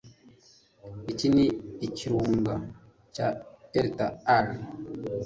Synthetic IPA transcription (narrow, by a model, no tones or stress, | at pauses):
it͡ʃiniit͡ʃiɾuŋɡa | t͡ʃateɾtaaɾ